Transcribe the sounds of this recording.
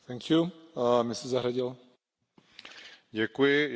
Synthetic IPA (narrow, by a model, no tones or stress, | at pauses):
t̪ɛŋkjumɪsɛzaɦɾaɟɪl | ɟɛkujɪ